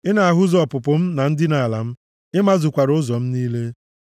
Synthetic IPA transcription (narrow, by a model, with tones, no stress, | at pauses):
ɪ˦na˨a˨ɦʊ˦zɔ˨pʊ˨pʊ˨m̩˦na˨n̩˦dɪ˦na˨a˨la˨m̩˦ | ɪ˦ma˦zʊ˨kʷa˨ɾʊ˦zɔ˨m̩˦niː˦le˦